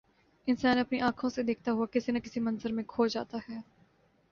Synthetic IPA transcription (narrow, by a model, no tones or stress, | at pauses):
ɪnsaːnɐpniʔãːkʰõsed̪eːkʰt̪aɦuakɪsinɐkɪsimɐ̃nzəɾmẽkʰoːd͡ʒa̰ːt̪aɦɛː